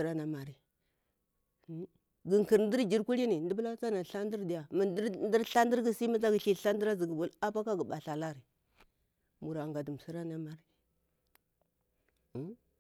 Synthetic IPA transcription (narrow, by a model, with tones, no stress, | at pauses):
ɾa˦na˨ma˨ɾi˨˦ | ɡi˨ŋki˨ɾn˦di˦ɾd͡ʒi˨ɾku˦li˦ni˨ndi˦bla˦t͡sa˦na˨ɬa˦n˦di˦ɾdi˨ja˨mə˨ndndi˦ɾɬa˦ndi˦ɾɡi˦si˦mi˦t͡sa˦ɡi˨ɬi˦˨ɬa˦n˦di˦ɾa˦zi˨ɡə˨bu˨la˦pa˦ka˦ɡə˨ɓa˨ɬa˨la˦ɾi˨ | mu˨ɾa˨ŋɡa˨di˨m˨si˦ɾa˦na˦ma˨ɾi˦